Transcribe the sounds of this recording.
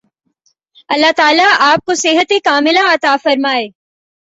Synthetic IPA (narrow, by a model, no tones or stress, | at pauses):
ɐlːat̪aːlaʔaːp̚kosɪɦət̪ekaːmɪlãɐt̪aːfɐɾmaːeː